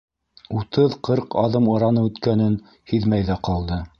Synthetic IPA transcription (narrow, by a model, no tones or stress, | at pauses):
ut̪ɤðqʰɤɾqɑðɤmɤ̆ɾɑnɤʉt̪kænɘn | hiðmæjðæqɑlˠd̪ɤ